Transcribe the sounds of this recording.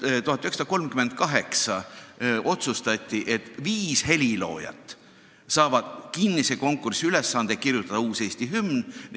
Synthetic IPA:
t̪uhɑt̪ːˑyheksɑd̪ɑko̞lmkyme̞nd̪̥̚kɑɦe̞ksɑ | o̞t̪sust̪ɑt̪ʲːˑiʔe̞t̪ːviːshelʲilo̞ːjɑ̰t̪ˑː | sɑːvɑd̪̥kinːiseko̞ŋkːˑursiyle̞sːɑnd̪ekirjut̪ːˑɑd̪̥ɑuːse̞ːst̪iɦymn

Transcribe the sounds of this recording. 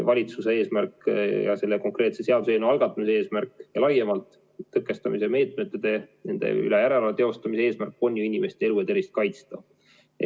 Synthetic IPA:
vɑlʲit̪suse̞e̞ːsmærkjɑ̰se̞lːeko̞ŋkre̞ːt̪se̞seɑd̪use̞ːnuɑlɡ̥ɑt̪ːˑɑmisee̞ːsmærkːˑjɑlɑjemɑlt̪ː | ɤkˑːe̞st̪ɑmise̞me̞ːt̪ˑme̞t̪ːed̪̥e̞ne̞nd̪̥e̞̰y̰le̞jæɾe̞lɑvet̪e̞o̞st̪ɑmise̞eːsmærk̚po̞nʲːjuinʲime̞st̪ee̞luet̪eɾist̪̚kɑjt̪st̪ɑ

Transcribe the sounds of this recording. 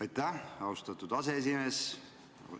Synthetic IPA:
ɑjt̪ːæɑwst̪ɑt̪ud̪̥ɑsees̬ime̞ːs

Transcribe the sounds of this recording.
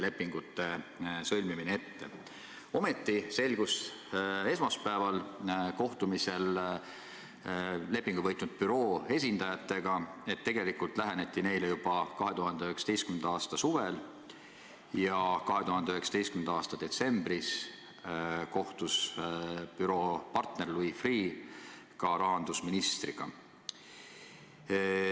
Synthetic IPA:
le̞pːiŋɡ̥ut̪ːe̞sɤlʲmimineet̪ːe̞̰ | o̞me̞t̪ˑːise̞lɡ̥us | e̞smɑspæevɑlko̞ht̪umise̞l | le̞pːˑiŋɡ̥uvɤ̞jt̪nud̪̥̚pyɾo̞ːe̞s̬ʲind̪ɑjɑt̪ːˑe̞ɡ̥ɑe̞t̪ːe̞ɡ̥e̞likult̪ˑlæɦenet̪ʲːˑine̞jlejub̥ɑkɑɦe̞t̪uɦɑnd̪eyheksɑd̪ejst̪kymend̪ɑɑːst̪ɑsuvel | jɑkɑɦe̞t̪uhɑnd̪eyɦe̞ksɑ̥t̪est̪kymenɑɑːst̪ɑd̪̥e̞t̪se̞mb̥ris | ko̞ht̪us | pyɾo̞ːpɑrt̪ne̞rlujfriː | kɑɾɑɦɑnd̪̥usminist̪riɡ̥ɑ̰

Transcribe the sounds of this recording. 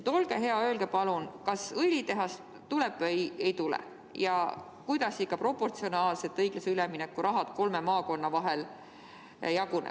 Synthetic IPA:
t̪o̞lɡ̥eɦe̞ɑø̞ːlɡ̥epɑlunkɑsɤlʲit̪e̞ɦɑst̪ | t̪ulɛb̥vɤje̞jt̪ulɛ̰ | jɑ | kujd̪̥ɑsikːɑpro̞pːo̞rt̪sio̞nɑːlse̞t̪ːˑɤjɡ̥lɑseylɛminekːuɾʔɑɦɑd̪̥ko̞lmemɑːko̞nːɑvɑɦel | jɑɡunḛ

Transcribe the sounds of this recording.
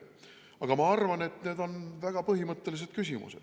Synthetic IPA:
ɑɡ̥ɑmɑɑrvɑne̞t̪ne̞ːd̪̥o̞nvæɡ̥ɑpɤɦimɤt̪ˑːe̞lis̬e̞d̥̪̚kysʲimṵse̞̰d̪̥

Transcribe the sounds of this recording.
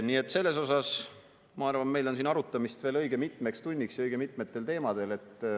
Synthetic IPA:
niːe̞t̪ːˑse̞lːe̞s̬o̞sɑs | mɑɑrvɑme̞jlo̞nsiːnɑɾut̪ːˑɑmist̪v̥e̞ːlɤjɡ̥emit̪ˑme̞kst̪unʲːiksjɑɤjɡ̥e̞mit̪ˑme̞t̪ːˑe̞lt̪e̞ːmɑd̪̥e̞le̞t̪ː

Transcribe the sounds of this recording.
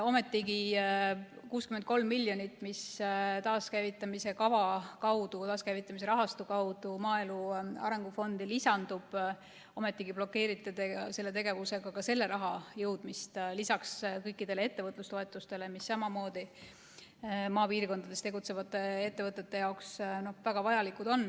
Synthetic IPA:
o̞me̞t̪ːˑiɡi | kuːskymen̚ko̞lmːilʲːjo̞nit̪ːˑmist̪ɑːskæjvit̪ːˑɑmise̞kɑvɑkɑwd̪ut̪ɑːskæjvit̪ˑːɑmise̞ɾɑɦɑst̪ukɑwd̪̥umɑːeluɑ̰ɾe̞ŋɡ̥ufo̞nd̪̥ilisɑnd̪̥ub̥ | o̞me̞t̪ːˑiɡ̥ib̥lo̞kːe̞ːɾit̪ːˑed̪ese̞lːe̞t̪e̞ɡ̥e̞vuse̞ɡ̥ɑkɑse̞lːe̞ɾɑɦɑjɤwd̪̥mist̪lisɑkskɤ̞jkːˑid̪̥e̞lee̞t̪ːe̞vɤt̪lust̪o̞e̞t̪ˑːust̪e̞le̞misːɑmɑmo̞ːd̪̥i | mɑːpiːrko̞nd̪ɑd̪̥est̪e̞ɡut̪se̞vɑt̪ːˑe̞e̞t̪ːevɤt̪ːˑe̞t̪ːe̞jɑoksno̞hvæɡ̥ɑvɑjɑlikud̪̥o̞n

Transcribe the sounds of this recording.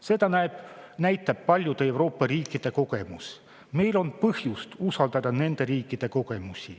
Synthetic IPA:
se̞d̪ɑnæeb̥næjt̪ːˑɑb̥̚pɑlʲjud̪̥e̞e̞wɾo̞ːpːɑɾiːkˑːid̪̥e̞ko̞ɡ̥e̞mus | me̞jlo̞npɤhjust̪usɑld̪ɑd̪ɑne̞nd̪̥e̞ɾiːkːid̪̥e̞ko̞ɡ̥e̞musʲi

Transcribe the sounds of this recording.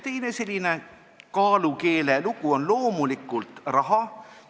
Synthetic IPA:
t̪e̞jne̞se̞lʲːine̞ | kɑːluke̞ːleluɡuo̞nlo̞ːmulikːˑult̪rɑɦɑ

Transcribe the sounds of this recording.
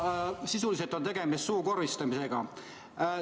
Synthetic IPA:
sisuliset̪ːˑo̞nt̪e̞ɡ̥e̞mist̪suːko̞rːist̪ɑmise̞ɡ̥ɑ̰

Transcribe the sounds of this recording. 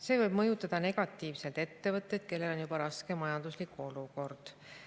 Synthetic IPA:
se̞ːvɤjb̥̚mɤjut̪ːˑɑd̪̥ɑne̞ɡ̥ɑt̪ːˑiːvse̞lt̪e̞t̪ːe̞vɤt̪ˑːe̞jd̪̥ke̞lːe̞lo̞njubɑɾɑske̞mɑjɑnd̪̥uslikuo̞luko̞rd̪̥

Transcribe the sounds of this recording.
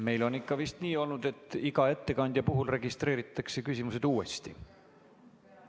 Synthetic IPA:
me̞jlo̞nikːˑɑvist̪niːo̞lnud̪e̞t̪ːˑiɡ̥ɑe̞t̪ːe̞kɑnʲd̪̥jɑpuɦulre̞ɡist̪ɾe̞ːɾit̪ˑːɑkse̞kysʲimuse̞d̪̥uːe̞st̪ḭ

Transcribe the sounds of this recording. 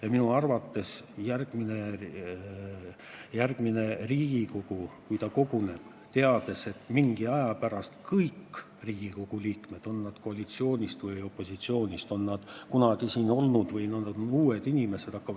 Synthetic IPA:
jɑminuɑrvɑt̪ːe̞sjærɡ̥mine̞ | jærɡ̥mine̞riːɡ̥iko̞ɡ̥ukujt̪ɑko̞ɡune̞b̥ | t̪e̞ɑd̪̥e̞se̞t̪ːˑmiŋɡ̥iɑjɑpæɾɑst̪kɤjkː | riːɡ̥iko̞ɡ̥uliːkme̞d̪̥o̞nːɑd̪̥ko̞ɑlit̪sio̞ːnʲist̪vɯjo̞pˑːo̞sit̪sio̞ːnʲist̪o̞nːɑd̪̥kunɑɡ̥isiːno̞lnud̪̥vɯjnɑnd̪nuːed̪̥inʲime̞se̞d̥̪ɑkːɑvɑ̥

